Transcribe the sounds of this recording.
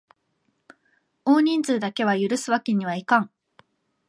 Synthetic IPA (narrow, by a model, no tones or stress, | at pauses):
o̞ːɲ̟ĩnd͡zɨːd̪ake̞βajɯ̟ɾɯ̟sɨβakʲiɲ̟ːiβ̞aikãŋ